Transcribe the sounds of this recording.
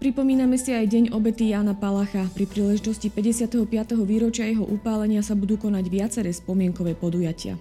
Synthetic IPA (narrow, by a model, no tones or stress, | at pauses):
pɾipɔmiːnamɛsiajɟɛɲɔbɛt̪ijaːnapalaxapɾipɾiːlɛʒit̪ɔscipɛɟɛsɪat̪ɛɦɔpɪat̪ɛɦɔʋiːɾɔt͡ʃɪajɛɦɔʔupaːlɛɲɪasabud̪uːkɔnaɟʋɪat͡sɛɾɛːspɔmɪɛŋkɔʋɛːpɔd̪ujacɪa̰